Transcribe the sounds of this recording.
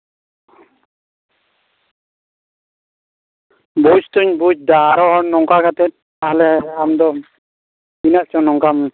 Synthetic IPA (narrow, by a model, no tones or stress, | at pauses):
but͡ʃt̪uɲbud͡ʒd̪aɾɔɦɔnɔŋkakat̪ɛt̪̚ | alɛamd̪ɔ | inaʔ̚t͡ʃɔnɔŋkam